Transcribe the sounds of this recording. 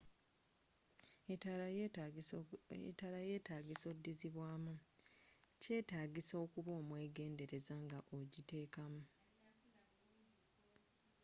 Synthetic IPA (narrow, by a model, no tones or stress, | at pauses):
talaje̞ːtaːɟiso̞dːiziβwaːmu | ce̞ːtaːɡiso̞kuβo̞ːmwe̞ːɡe̞ːnde̞ɾe̞zaŋɡaʔoɟite̞ːkamu